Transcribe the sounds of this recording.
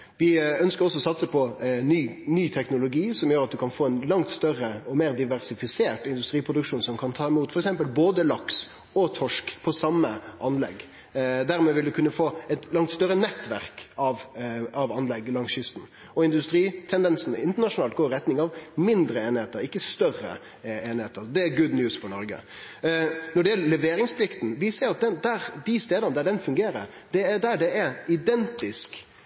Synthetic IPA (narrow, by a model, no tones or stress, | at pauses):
ʋɪœnskəɾɔsːɔsɑt̪səpʰɔnyːnyːt̪ʰɛknʊlʊɡiːsɔmjøːɾɑt̪̚d̪ʉkʰɑnfoːɛnlɑŋt̪st̪œɾəɔmeːɾd̪ɪʋæɾsɪfɪseːʁʈɪnd̪ʉst̪ɾiːpʰɾʊd̪ʉkʂuːnsɔmkʰɑnt̪ʰɑːɪmuːt̪fɔɾɛksɛmpəlboːd̪əlɑks | ɔt̪ʰɔʂkpʰɔsɑmːəʔɑnlɛ̰ɡː | d̪æɾmeːʋɪld̪ʉkʉnːəfoːɛt̪lɑŋt̪st̪œɾːənɛt̪ːʋæʁkɑʋɑʋɑnlɛɡːlɑŋsjʏst̪n̩ | ɔɪnd̪ʉst̪ɾiːt̪ʰɛnd̪ɛnsn̩ɪnt̪ənɑʂʊnɑːlt̪ɡoːɾɪɾɛt̪nɪŋɑʋmɪnd̪ɾəeːnɪheːt̪əɾɪkːəst̪œrə̰ | eːnɪheːt̪əɾd̪ɛæɡʉd̪njʉːsfɔɾɳɔɾɡə̰ | nɔɖɛjɛlːəlɛʋeːɾɪŋspʰlɪkt̪n̩ʋɪseːɾɑt̪̚d̪ɛnd̪æɾd̪ɪst̪eːd̪ənəd̪æɖɛnfʉŋɡeːɾə̰ɾ | d̪ɛd̪æɖɛɛɾɪd̪ɛnt̪ɪsk